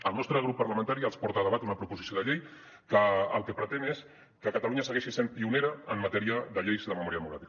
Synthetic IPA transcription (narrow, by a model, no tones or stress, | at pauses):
əlˠnɔst̪ɾəɣɾupːəɾləmənt̪aɾiəlˠspɔɾt̪aðəβat̪unəpɾupuzisjoð̞əʎej | kəə̰lˠkəpɾət̪enes | kəkət̪aluɲasəɣ̞eʃisempiuneɾəːmmət̪ɛɾiəðəʎejzðəməmɔɾiəðəmukɾat̪ik